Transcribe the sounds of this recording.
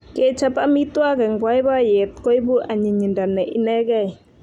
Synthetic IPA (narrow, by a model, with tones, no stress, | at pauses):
kɛ˨t͡ʃʰa˧pa˧ʔmi˦t̪u˦a˦ɡɛ˨ŋbwa˧˦jba˦jɛ˨t̪̚ko˦jbu˦ʔa˨ɲi˨ɲi˨nda˨nːɛ˨ʔi˦nɛ˦ɡa˧˨j